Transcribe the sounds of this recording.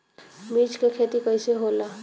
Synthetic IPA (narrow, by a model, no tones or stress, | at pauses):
miːt͡ʃkekʰeːt̪ikəɪseɦoːla